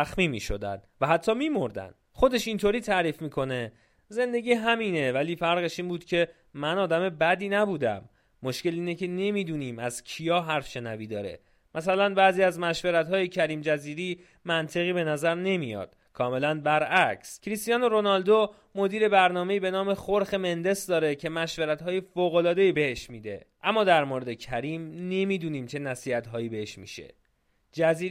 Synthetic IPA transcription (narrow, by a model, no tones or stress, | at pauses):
æxmiːmḭːʃo̞̰d̪æ̰nd̪væɦæt̪ʰːɒːmiːmo̞ɾd̪æ̰nd̪̥ | xo̞d̪e̞ʃint̪ʰoɾiːt̪ʰæɾiːfmiːkʰo̞ne̞ | ze̞nd̪e̞ɟʲiːɦæmiːne̞væliːfæɾɣe̞ʃiːnbuːd̪̥cʰe̞ | mænɒːd̪æme̞bæd̪iːnæbuːd̪æ̰mː | o̞ʃce̞liːnecʰe̞ne̞mid̪uːniːmæz̥cʰijɒːɦæɾfʃe̞næviːd̪ɒːɾḛ | mʔæsælænbæːziːæzmæʃveɾæt̪hɒːjecʰæɾiːmd͡ʒæziːɾiː | mænt̪ʰe̞ɣiːbe̞næzæɾne̞mijɒ̰ːd̪̥ | kʰɒːme̞lænbæɾæcʰscʰɾist̪ijɒːnoɾo̞nɒld̪o | mo̞d̪iːɾe̞bæɾnɒːme̞iːbe̞nɒːme̞xoɾxe̞me̞nd̪e̞sd̪ɒːɾecʰe̞mæʃveɾæt̪hɒːje̞foːɣo̞lɒːd̪e̞iːbe̞he̞ʃmiːd̪e̞̰ʔæmːɒːd̪æɾmoɾe̞d̪e̞cʰæɾiːmne̞miːd̪uːniːmt͡ʃʰe̞næsiːhæt̪ɦɒːjiːbe̞he̞ʃmḭːʃe̞̰ | d͡ʒæziː